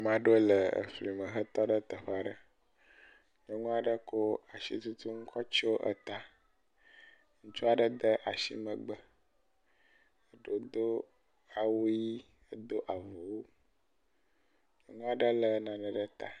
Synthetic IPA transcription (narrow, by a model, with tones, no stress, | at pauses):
mã˨ɖo˦lə˨ə̰˨fli˨mə̃˨ɦə˦t̪ɔ˦ɖə˦t̪ə˨ɸa˨ɖə˦ | ɲə˨ŋũ˦a˨ɖə˦ko˦a˨ʃḭ˦t̪u˦t̪ʰu˦ŋ̩˦kʰɔ˦t͡ɕi˦wo˦ʔə̰˦t̪a˦ | ŋũ˦t͡ʃu˦a˦˨ɖə˦d̪ə˦ʔa˨ʃḭ˦mə̃˨ɡ͡bə˨ | ə˨ɖo˦d̪o˦ | a˨wo˦ji˦ | ə˦d̪o˦ʔa˨vo˨wo˦ | ɲə˨ŋũ˦a˨ɖə˦lə˨nã˨nə̃˨ɖə˦t̪a̰˨